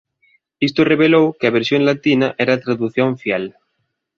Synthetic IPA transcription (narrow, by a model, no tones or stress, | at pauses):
ist̪oreβelowkeaβeɾsjoŋlat̪inaʔɛɾat̪ɾaðuθjõɱfjel